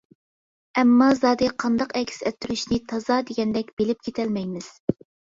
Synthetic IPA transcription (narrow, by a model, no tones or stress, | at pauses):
ɛmːɑzɑːd̪ɨqʰɑnd̪ɑqɛkʲʰsɛt̪ːyɾyʃnɪt̪ʰɑzɑd̪eɡʲɛnd̪ɛkʲb̥elɪp̚kʲʰet̪ʰɛlmɛjmɪz̥